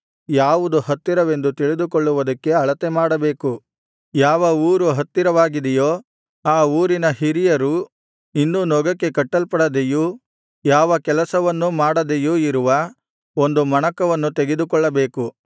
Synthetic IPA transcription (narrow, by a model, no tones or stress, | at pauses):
jaːʋud̪uhɐt̪ːiɾɐʋe̞nd̪ut̪iɭid̪ukɔɭːuʋɐd̪ɐkːe̞ɐɭɐt̪emaːɽɐbe̞ːku | jaːʋɐuːɾuɦɐt̪ːiɾɐʋaːɡid̪ɛjoː | aːuːɾinɐɦiɾijɐɾu | inːunɔɡɐkːe̞kɐʈːɐlpɐɽɐd̪eju | jaːʋɐkɛlɐsɐʋɐnːumaːɽɐd̪ejuiɾuʋɐ | o̞nd̪umɐɳɐkɐʋɐnːut̪eɡed̪ukɔɭːɐbeːku